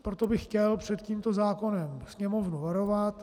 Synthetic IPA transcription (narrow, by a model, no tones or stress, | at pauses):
pɾot̪obɪxcɛlpr̝̥ɛt̪ciːmt̪o̞zaːko̞nɛmsɲɛmo̞vnuvaɾo̞vat̪